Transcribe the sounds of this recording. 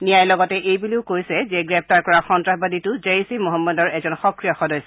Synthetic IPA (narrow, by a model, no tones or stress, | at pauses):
nijajlɔɡɔtɛʔejbuliʊkojsɛzɛɡɹɛp̚ʰtaɹkɔɹaxɔntɹaxbaditʊzeɹisimɔɦɔmːɔdɔɹɛzɔnxɔkɹijɔxɔdɔjs